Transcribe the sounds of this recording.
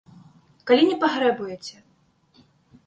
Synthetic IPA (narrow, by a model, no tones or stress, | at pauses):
kalʲinʲɛpaɣɾɛbujɛt͡sʲɛ